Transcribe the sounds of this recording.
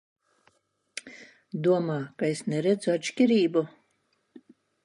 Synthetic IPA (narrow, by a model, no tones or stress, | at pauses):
d̪uɔmaːkaesnɛɾɛd̪zuat͡ʃkʲiɾiːbu